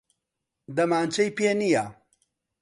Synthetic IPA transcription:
d̪ɐmaːnt͡ʃɐjpenija

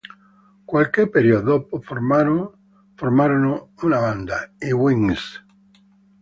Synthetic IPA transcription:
kwalkeɾpeɾjoðopofoɾmaɾo | foɾmaɾonounaβand̪aiwiŋs

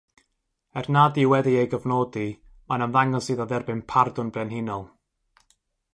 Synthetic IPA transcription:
ɛrnadiwɛðiejɡəvnɔːdi | manamðaŋɔsɨðɔðɛrbɪnpʰardʊnbrɛnɦɪnɔlˠ

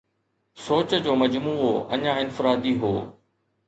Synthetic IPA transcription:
soːt͡ɕəd͡ʑoːmɐd͡ʑmuːoɐ̰ɲãɪnfɪɾaːd̪iɦo̰ː

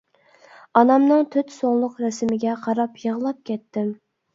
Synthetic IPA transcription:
ɑnɑmnɨŋt̪ʰøt̪soŋlˠʊqɾɛsɪmɪɡʲɛqʰɑɾɑpjəʁlˠɑp̚kʲʰɛt̪ːɪm

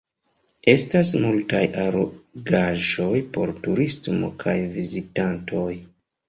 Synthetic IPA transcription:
e̞stasmultajʔaɾoɡaʒo̞jpo̞̰ɾtuɾistmo̞̰kʰajvizitantʰo̞j

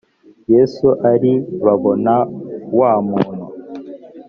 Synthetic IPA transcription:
jesuʔaɾiβaβonawaːmuːn̤ṵ

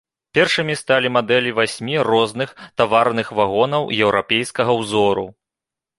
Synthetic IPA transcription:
pʲɛrʂɨmʲist̪alʲimad̪ɛlʲivasʲmʲirɔznɨxt̪avarnɨxvaɣɔnɐwjɛwɾʔapʲejskɐɣɐwzɔɾṵ

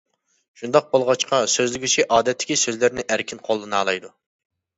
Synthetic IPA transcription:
ʃund̪ɑq̚bolˠʁɑt͡ʃqɑsøzlɪɡʲyt͡ʃʰiʔɑːd̪ɛt̪ʰːɪ̥kʲisøzlɪɾnɪʔæɾkʲʰinqʰolˠːɨnɑːlˠɑjd̪u

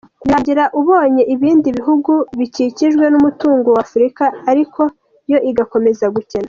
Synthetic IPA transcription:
jaɲɟiɾaʔuβo̞ːɲe̞ʔiβiːndiβiɦuɡuβiciciʒɡwe̞numutuːŋɡowafuɾikaːɾikʰo̞ | jo̞ʔiɡako̞me̞zaɡuce̞na

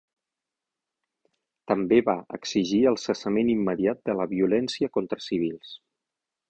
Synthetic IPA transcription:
t̪əmbeβaə̰ksiʒiəlˠsəsəmenimːəðiat̪̚d̪ələβiulɛnsiəkont̪ɾəsiβ̞ilˠs

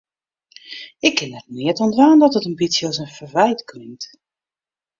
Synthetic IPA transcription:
ɪkːɪnɛt̚nɪətɔntʋaːndɔtətənbitsjəɔsənfəɹvɛjtklɪŋt

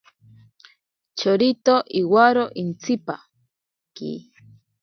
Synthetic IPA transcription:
t͡ʃoɾit̪oʔiwaɾoʔint͡sipa | kḭ

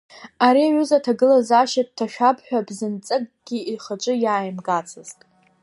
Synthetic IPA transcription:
aɾiaɥuzatʰaɡɨlazaʃat̚tʰaʃᶣapʰħʷᶣabzɨnt͡sʼɨkʼɡ̥ʲiiχat͡ʃʷʼɨjaːjmɡat͡sʰɨztʼ

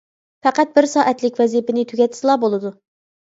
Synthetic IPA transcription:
fɛqæt̪̚bɪɾsɑːʔɛt̪lɪkʲvɛzipɪnɪt̪ʰyɡʲɛt̪ʰːɪ̥sɨlˠɑːbolˠɨd̪u

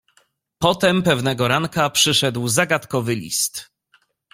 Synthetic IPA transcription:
pɔt̪ɛmpɛvnɛɡɔɾaŋkapʂɘʂɛd̪wzaɡat̪kɔvɘlʲḭst̪

